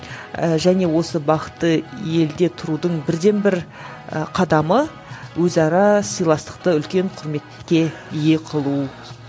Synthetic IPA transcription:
əʒæne̞wo̞səbɑqət̪ːəje̞ld̪e̞t̪ʰʊɾud̪əɴbɪɾd̪e̞nbɪɾ | qʰɑd̪ɑmə | wɵzɑɾɑsəjlˠɑst̪ə̥q̚t̪əʏlkʲe̞ɴqʰʊɾme̞t̪kʲːe̞je̞qʰəlˠuw

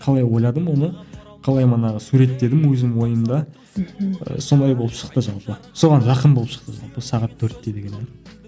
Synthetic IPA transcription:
qʰɑlˠɑjwo̞jlˠɑd̪əmwo̞nə | qʰɑlˠɑjmɑnɑʁəsuɾe̞t̪ːe̞d̪ɪmwɵzɪmwo̞jəmd̪ɑ | ə̰so̞nd̪ɑjbo̞lˠəpʃə̥qt̪əʒɑlˠpə | so̞ʁɑnʒɑqənbolˠəpʃə̥qt̪əʒɑ̰lˠpəsɑʁɑt̪ʰːɵɾt̪ːe̞d̪e̞ɡʲene

